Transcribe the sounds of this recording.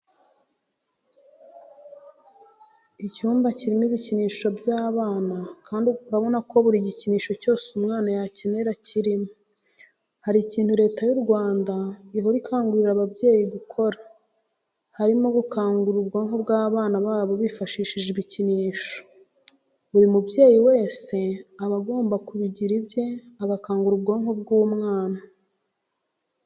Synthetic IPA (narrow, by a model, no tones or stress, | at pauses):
icuːmbaciɾimiβiciniːʃo̞bjaːβaːnakʰaːndiuɾaβo̞nako̞βuɾiɟiciniːʃo̞co̞ːsumŋaːnajaceneɾaciɾimo | haɾiːciːn̥thuɾe̞ːtajuɾɡwaːndaiɦoɾikʰaːŋɡuɾiɾaβabɟe̞ːjiɡukʰo̞ɾa | haɾimo̞ɡukʰaːŋɡuɾubɡoːŋho̞bɡaːβaːnaβaːβo̞βifaʃiːʃiʒiβiciniːʃo̥ | βuɾimubɟe̞ːjiwe̞ːse̞aβaɡo̞ːmbakuβiɟiɾibje̞ | aɡakaːŋɡuɾubɡoːŋho̞bɡuːmŋaːna